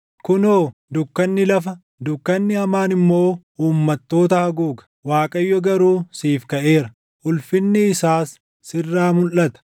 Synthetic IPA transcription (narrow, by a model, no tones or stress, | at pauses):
kʊnoːd̪ʊkːɐnːɪlɐfɐ | d̪ʊkːɐnːɪɐmaːnɪmːo̞ː | uːmːɐt̪ːo̞ːt̪ɐhɐɡuːɡɐ̥waːkʼɐjːɔɡɐɾuːsiːfkɐʔe̞ːɾɐ | ʔʊlfɪnːɪːsaːsː | ɪrːaːmʊlːɐt̪ɐ̥